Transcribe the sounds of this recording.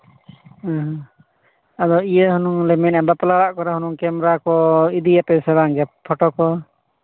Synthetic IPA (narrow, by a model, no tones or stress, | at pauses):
aɦ | ad̪ɔijəhunuŋlɛminɛbap̪ɔlaɽaʔkɔɾɛhunuŋkɛmɾakɔid̪ijapɛsɛbaŋɡɛppʰɔʈɔkɔ